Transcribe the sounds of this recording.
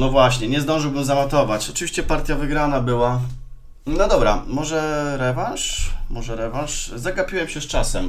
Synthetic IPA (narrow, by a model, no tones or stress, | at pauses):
nɔvwaɕɲɛɲɛzd̪ɔ̃w̃ʐɘwbɘmzamat̪ɔvat͡ɕɔt͡ʂɨvʲiɕt͡ɕɛpaɾt̪ʲjavɘɡɾanabɘwa | nɔd̪ɔbɾa̰mɔʐɛɾɛvãnʂmɔʐɛɾɛvãʂzaɡapʲiwɛmɕɛst͡ʂasɛm